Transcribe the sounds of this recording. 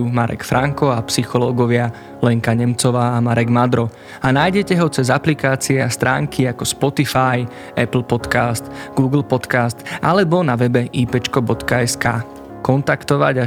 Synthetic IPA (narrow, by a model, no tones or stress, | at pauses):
umaɾɛ̰kfɾʔaŋkɔapsixɔlɔːɡɔʋɪa | lɛŋkaɲɛmt͡sɔʋaːamaɾɛɡmad̪ɾɔ | anajɟɛcɛɦɔt͡sɛzaplikaːt͡siɛast̪ɾʔa̰ːŋkʰiakɔspɔt̪ifaj | ɛpl̩ˠpɔt̪kast̪ɡuːɡl̩ˠpɔt̪kast̪ʔalɛbɔnaʋɛbɛʔiːpɛt͡ʃkɔbɔt̪kaɛskaː | kɔnt̪akt̪ɔʋa̰ɟa